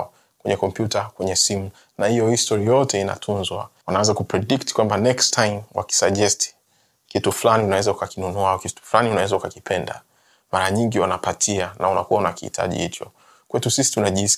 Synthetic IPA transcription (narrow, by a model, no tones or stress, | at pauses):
ɔ | kwɛ̰ɲɛkɔmpjutakwɛɲɛsimu | nahijɔhistɔɾijɔtɛina̰tʰunzwa̰wanawɛzakupɾɛɗiktkwambanɛkstʰajmwa̰ki̥saʄɛstʰi̥ | kituflaniunawɛzaukakinunuakitu̥flaniunawɛzaukakipʰɛnda̰ | maɾaɲiŋɡiwanapatʰianaunakuwaunakihḭtʰa̰ʄḭhit͡ʃɔ̰ | kwɛtusisi̥tunaʄi